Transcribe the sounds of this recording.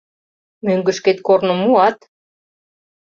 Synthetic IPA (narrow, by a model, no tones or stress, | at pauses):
møŋɡə̆ʃket̪kornomuɑt̪